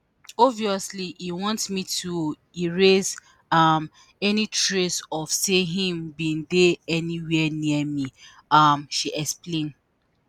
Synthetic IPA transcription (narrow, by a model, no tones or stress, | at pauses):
ɔviɔsliʔiwɔ̃ntsmitʰu | iɹez | am | ɛnitɹesɔfseɦĩmbĩndeɛniwɛniɛmi | amʃiʔɛksplẽn